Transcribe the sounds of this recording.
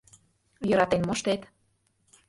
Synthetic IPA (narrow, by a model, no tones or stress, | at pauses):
jɤ̆ɾɑt̪enmoʃt̪et̪